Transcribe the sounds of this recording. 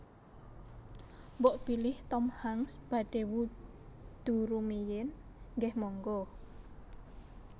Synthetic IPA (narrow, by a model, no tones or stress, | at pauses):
mbɔʔb̥ilɪht̪ɔmhaŋsb̥a̤ɖ̥ewu | d̪̥ṳɾumijɪn | ŋɡɛhmɔŋɡɔ